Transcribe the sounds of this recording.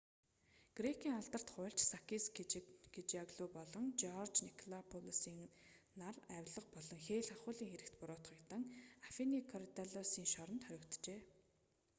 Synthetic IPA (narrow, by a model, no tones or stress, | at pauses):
ɡ̥rekʰiːŋaɮt̪ə̆r̥t̪χʊ̟jɬt͡ɕsakʰisɡet͡ɕaɣɮuːpɔɮɞ̆ŋt͡ɕɔrt͡ɕnikʰɮapʰɔlusiːŋnaræwʲɮə̆q̚pɔɮɞ̆ŋxeːɮaχʊːɮiːŋxeɾɘ̆kt̪pʊɾʊːt̪χə̆kt̪ə̆ŋafinikʰɔɾit̪aɮɔsiːŋʃɔɾɞ̆nt̪χœɾʲɪ̆kt̪t͡ɕeː